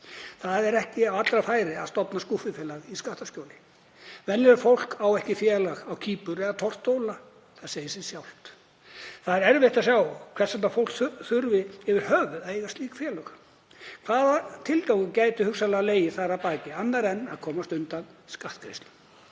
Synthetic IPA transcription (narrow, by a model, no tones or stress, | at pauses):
θaðɛɾɛhcɪawat̪lɾafaːjɾɪaðst̪ɔpnaskuhfɪfjɛːlaɣiskaht̪ascowlɪ | vɛnɛɾfowl̥kawɛhcɪfjɛːlaɣawcʰiːpʏɾɛðat̪ʰɔr̥t̪oːwla | θaðseːjɪsɛsjawl̥t̪ | θaðɾɛɾvɪht̪asjaːwkʰv̥ɛ̥sant̪nafowl̥kθʏɾvɪɪvɪɾ̥hœːvʏðaðejɣast̪liːkfjɛːlœxḁ | kʰvaːðat̪ʰɪlt̪awkʏmcaːjt̪ʏhʏksalaɣaleːjɪθaɾapaːcɪanːaɾɛnːaðkʰɔːmast̪ʏnt̪anskaht̪̚kʰɾejst̪lʏ